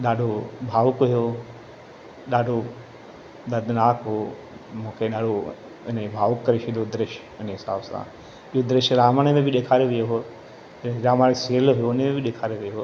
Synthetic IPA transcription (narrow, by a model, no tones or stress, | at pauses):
ɗaːɖʱobʱaːʋʊkɦjoː | ɗaːɖʱo | d̪ɐd̪ʱnaːkɦoː | mũːkʰeɗaːɖʱo | ɪnebʱaːʋʊkːɐɾiʃʰid̪od̪ɾɪʃ | ʊnəɦɪsaːbsã̰ | iod̪ɾɪʃɾaːmaɽ̃mẽbʱɪɗeːkʰaːɾeʋɪjoɦoː | ɪɾaːmaɽseːlɦʊjoʊnemẽbʱɪɗeːkʰaːɾeʋɪjoɦoː